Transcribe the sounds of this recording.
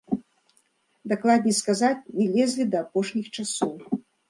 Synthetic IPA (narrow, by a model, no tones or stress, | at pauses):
d̪aklˠad̪ʲnʲɛskazat͡sʲnʲɛlʲɛzʲlʲid̪ɐːpɔʂnʲixt͡ʂasɔw